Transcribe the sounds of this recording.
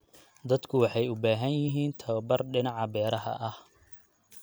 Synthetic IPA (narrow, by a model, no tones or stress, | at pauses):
d̪ɐd̪kʰʊwɑħɑjʊbaːɦɐnjɪɦiːnt̪ʰɐβɐbɐrɖɪnɑʕɑbɛːɾɐɦɐ̰ʔɐh